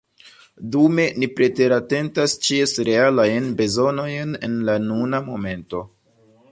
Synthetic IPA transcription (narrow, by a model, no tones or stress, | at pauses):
dume̞nipɾe̞te̞ɾate̞ntast͡ʃiesɾealajnbe̞zo̞no̞jne̞̰nlanunamo̞me̞nto̞